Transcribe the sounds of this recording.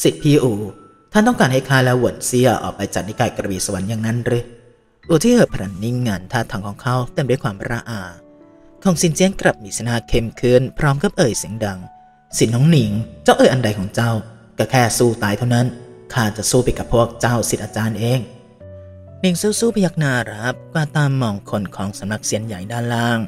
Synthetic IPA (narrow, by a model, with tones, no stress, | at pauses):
si˨˩t̪̚pʰiː˧˥ʔuː˨˩ | t̪ʰa˥˩nt̪ɔ˥˩ŋkaː˧nha˥˩jkʰaː˥˩lɛː˦˥wu˨˩ənsi˥˩ɐʔɔ̰ː˨˩k̚pa˧jt͡ɕa̰˨˩t̪̚ni˧˥˩kaː˨˩jkɾa˧wiː˨˩sa˧wa˨˦njaː˨˩ŋna˦˥nɾɯ˧˥ | ʔuː˧˩t̪ʰiː˥˩ʔɤː˨˩pʰa˧ɾa˨˦nːi˧˥˨ŋːaː˧˩nt̪ʰaː˧˩t̪ʰːa˨˧˦ŋkʰɔː˨˦ŋkʰa˦˧˥wt̪e˧˩˨mdu˥˩˨kwaː˧˦mɾaː˧ʔaː˨˩ | kʰɔː˨˩˦ŋsi˨˩˦nt͡ɕi˧˥ənkɾa˨˩p̚miː˨˦sa˧naː˧˩kʰe˧mkʰɯ˧˥˩npʰɾɔː˦˥mka˧˩p̚ʔɤː˨˩jsi˨˩˦ŋda˧ŋ | si˨˦nːɔː˨˥ŋni˩˦ŋt͡ɕa˥˩wʔɤː˧˦ʔa˧nda˧jkʰɔː˨˩˦ŋt͡ɕa˥˩w | ka˧˩kʰɛː˥˩suː˥˩t̪aː˧˩jt̪ʰa˥˩na˦˥nkʰaː˧˩t͡ɕa˨˩suː˥˩pa˧jka˨˩pʰːu˥˩ək̚t͡ɕa˥˩wsi˨t̪̚ʔaː˧t͡ɕaː˧nʔeː˧ŋ | ni˨˦ŋsuː˧˥˩suː˥˩pa˧ja˦˥k̚naː˧˩ɾa˦˥p̚kwaː˧˩t̪aː˧mːɔː˨˩ŋkʰo˧nkʰɔː˨˦ŋsa˨˦mna˧k̚si˨˦ənja˨˩˦jdaː˧˩˨nlaː˧˥˩ŋ